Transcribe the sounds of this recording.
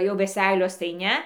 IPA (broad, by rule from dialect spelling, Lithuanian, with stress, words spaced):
jɛʊ ʋʲɛˈsʲɛɪlʲoːs tɐɪ ˈnʲɛ